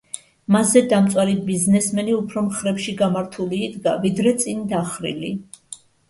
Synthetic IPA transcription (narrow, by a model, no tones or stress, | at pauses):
mazːɛd̪amt̪sʼwaɾibiznɛsmɛniupʰɾɔmχɾɛpʃiɡamaɾt̪ʰuliːd̪ɡavid̪ɾɛt̪sʼind̪aχɾḭli